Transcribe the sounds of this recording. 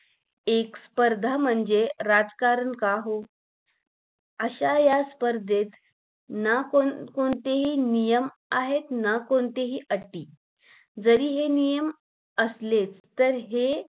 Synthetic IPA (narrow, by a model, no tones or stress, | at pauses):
ekspəɾd̪ʱam̤əɳd͡zeɾad͡zkaɾənkaɦo | əɕajaspəɾd̪ʱet̪ | nakokoɳt̪eɦiːnijəm | aɦet̪nakoɳt̪eɦiːʔəʈːiː | d͡zəɾiːɦenijəm | əslet͡st̪əɾɦe